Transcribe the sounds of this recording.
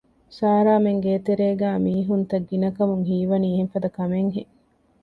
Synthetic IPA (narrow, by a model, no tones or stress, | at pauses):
saːɾaːmeŋɡeːt̪eɾeːɡæːmiːɦunt̪ɐɡːinɐkɐmuŋɦiːʋɐniːɦemfɐd̪ɐkɐmeŋɦe